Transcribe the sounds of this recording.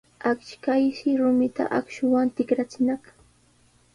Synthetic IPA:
akʃkajʃɪɾʊmɪt̪a̰ʔakʃʊwant̪ɪkɾat͡sɪnak

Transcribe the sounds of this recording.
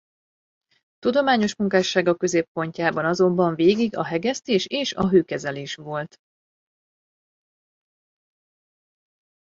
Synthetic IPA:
t̪ud̪o̞maːɲo̞ʃmuŋkaːʃːaːɡɒkø̞zeːpko̞ɲcaːbɒnɒzo̞mbɒɱveːɡiɡɒ̰ɦɛɡɛst̪eːʃeːʃɒ̰ɦøːkɛzɛleːʃʋo̞lt̪

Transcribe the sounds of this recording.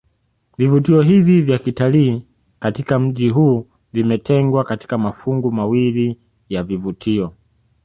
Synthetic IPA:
vivutiɔɦivivjakitaliː | katikam̩ʄiɦuː | vimɛtʰɛŋɡwakati̥kamafuŋɡumawili | javivutʰiɔ

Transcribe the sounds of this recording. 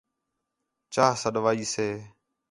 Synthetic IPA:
t͡ʃaːɦsəɗʋaːiːseː

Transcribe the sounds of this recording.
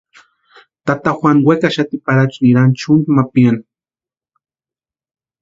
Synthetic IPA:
t̪at̪axwʷanwekaʃat̪ipaɾat͡ʃniɾant͡ʃʊnd̪mapian

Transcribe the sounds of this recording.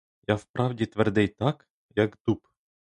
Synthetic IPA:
jafpɾavdʲet̪vʲɛrd̪ɛjt̪ak | jakd̪up

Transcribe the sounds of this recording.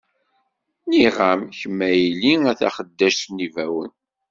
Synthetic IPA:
niʁamçəmːæjliæθæ̰χəd̪ːæʃtnivæwən

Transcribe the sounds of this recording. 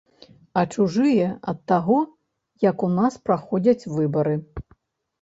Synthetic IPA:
ɐt͡ʂuʐɨjɛɐt̪ːaɣɔ | jɐkunaspɾaxɔd͡zʲɐt͡sʲvɨbɐɾɨ

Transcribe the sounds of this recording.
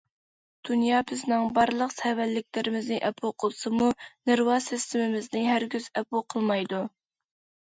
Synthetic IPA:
d̪̥unjɑːbɪznɪŋbɑɾlˠəqsɛwælːɪkʲlɪɾɪmɪznɪʔɛpʰuqʰəlˠsɨmuneɾwɑsɪst̪ʰɪmɪmɪznɪɦæɾɡʲyz̥ɛpuqʰəlˠmɑjd̪u

